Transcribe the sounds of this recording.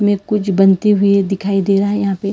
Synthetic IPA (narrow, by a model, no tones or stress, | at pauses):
mẽkʊt͡ʃʰbɐnt̪eɦʊied̪ɪkʰaːid̪eːɾaɦɛjɐɦãːpe